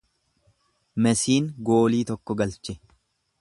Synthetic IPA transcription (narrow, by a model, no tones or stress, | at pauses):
mɛsiːŋɡo̞ːliːt̪ɔkːɔɡɐlt͡ʃɛ̥